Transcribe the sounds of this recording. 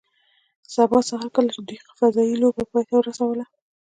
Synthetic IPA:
sabɑsaɦaɾkəlat͡ʃed̪ujfazɑjilobapɑjt̪awəɾasawəla

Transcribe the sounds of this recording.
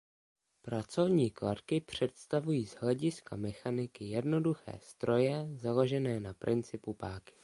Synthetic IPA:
pɾat͡so̞vɲiːklaɾkɪpr̝̥ɛt̪st̪avujiːzɦlɛɟɪska̰mɛxanɪkɪjɛdno̞duxɛ̰ːst̪ɾo̞jɛzalo̞ʒɛnɛːnapɾʔɪnt͡sɪpupaːkɪ̥

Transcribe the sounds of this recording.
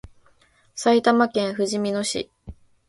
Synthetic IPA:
sait̪amakẽ̞ɰ̃ɸɯ̟ʑimʲinoɕḭ

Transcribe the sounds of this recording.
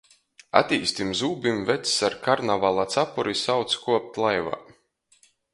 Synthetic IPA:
a̰t̪ʲiːst̪ʲimzuːbʲimvɛt̪ssaɾkaɾnavalˠat̪sapuɾisawt̪skuɔp̚t̪lˠajva̰ː

